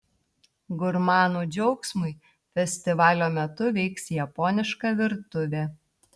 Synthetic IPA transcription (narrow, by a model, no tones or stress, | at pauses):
ɡʊɾmɑːnuːd͡ʒʲɛʊksmʊɪ | fʲɛsʲt̪ʲɪʋɑːlʲoːmʲɛt̪ʊʋʲɛɪksjɛpɔːnʲɪʃkɑʋʲɪɾt̪ʊʋʲeː